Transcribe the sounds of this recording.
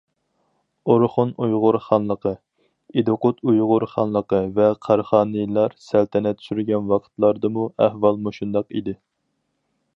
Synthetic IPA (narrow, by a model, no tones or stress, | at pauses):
oɾχʊnujʁʊɾχɑnlˠəqʰə | ed̪oqʊt̪ʰujʁʊɾχɑnlˠəqəvɛqʰɑɾχɑːnɨjlˠɑɾsælt̪ʰɛnɛt̪ʰy̥ʃyɾɡʲɛnwɑqʰt̪lˠɑɾd̪ɨmuæhvɑlˠmuʃund̪ɑqḭd̪ɪ